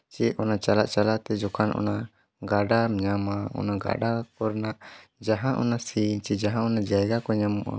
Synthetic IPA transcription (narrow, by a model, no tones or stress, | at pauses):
t͡ʃɛɔnat͡ʃalaʔt͡ʃalaʔt̪ɛd͡ʒɔkanʔɔ̰na | ɡaɖaɲamaɔ̰naɡa̰ɖapɔɾnaʔd͡ʒaɦãʔɔ̰nasiɲt͡ʃid͡ʒaɦãʔɔnad͡ʒajɡakɔɲamuʔa̰